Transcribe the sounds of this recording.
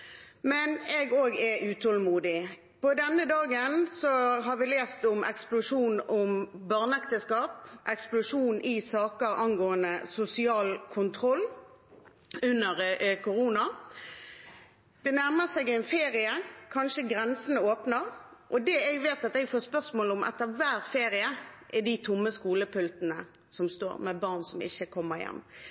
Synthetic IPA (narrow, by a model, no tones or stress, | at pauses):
mɛnɛɡoːɡɛʉːt̪ʰɔlmuːd̪ɪ | pɔd̪ɛnːəd̪ɑːɡənsɔɦɑʋɪleːst̪ʊmɛ̰ksplʊʂuːnʊmbɑʁnɛkt̪əskɑːpʔɛksplʊʂuːnɪsɑːkəɾʔɑnɡoːənəsʊsɪɑːlkʰʊnt̪ʰɾɔlː | ʉnːəʁkʊɾuːnɑ | d̪̥ɛnæʁməsɛɡɛɪnfeːʁɪəkʰɑnʃəɡɾɛnsənəoːpnəʁʔɔd̪ɛɛɡʋeːt̪ɑt̪ɛɡfoːspœʁsmoːlʊmʔɛ̰t̪ːəʋæːʁfeːɾɪəʔɪd̪it̪ʰʊmːəskuːləpʰʉlt̪nə | sɔmst̪o̰ːɾmɛbɑʁnsɔmɪ̰çːəkʰɔmːəʁjɛ̰mː